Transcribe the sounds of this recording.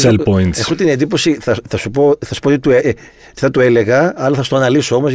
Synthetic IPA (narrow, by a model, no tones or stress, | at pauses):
elpoint̪exut̪ine̞nd̪ipo̞siθɐθɐsupo̞θɐsu̥pot̪it̪ue | t̪i̥θɐt̪ue̞le̞ɣɐɐlɐθɐsu̥t̪oɐnɐlisoo̞mo̞z